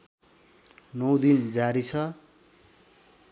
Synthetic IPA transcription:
nʌwd̪ind͡zaɾit͡sʰʌ

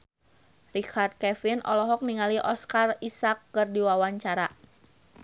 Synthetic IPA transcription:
rikʰard̪̚kɛfinʔɔ̰lɔɦɔk̚niŋaliʔɔskarisakːɨrdiwawaɲt͡ʃaɾa

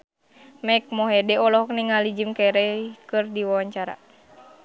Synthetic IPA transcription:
mɛk̚mɔɦɛdɛɔlɔɦɔk̚niŋalid͡ʒimkɛɾɛkɨrdiwawaɲt͡ʃaɾa̰

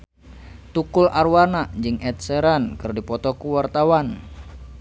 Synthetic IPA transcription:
t̪ukulʔarwanaʔd͡ʒɨŋɛt̪̚sɛɾankɨrdipɔt̪ɔkuwart̪awan

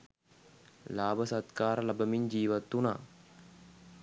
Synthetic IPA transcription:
laːbəsat̪kaːɾəlabəmiɲd͡ʒiːʋat̪ːuna̰ː

